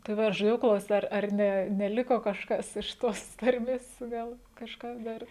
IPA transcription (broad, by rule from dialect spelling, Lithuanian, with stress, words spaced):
tɐɪ ˈʋɐ ɐʃ ʒɐˈdʲeːjɛʊ ˈklˠɐʊsʲtʲ ˈɐr ɐr ˈnʲɛ nʲɛˈlʲɪkoː kɐʃˈkɐs ɪʃ ˈtoːs ˈtɐrʲmʲeːs ˈɡɐlˠ kɐʃˈkɐs ˈdɐr